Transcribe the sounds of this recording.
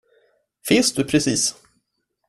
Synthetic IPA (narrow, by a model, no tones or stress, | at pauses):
fɪnsd̪̥ɵpʰɾɛsiːs